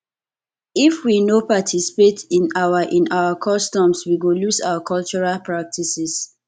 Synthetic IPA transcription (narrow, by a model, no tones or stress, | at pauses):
ifwinopatʰisi̥petĩnawaʔĩnawakʰɔstɔ̃mswiɡolusa̰ʊakʰɔlt͡ʃɔɹalpɹak̚tʰisis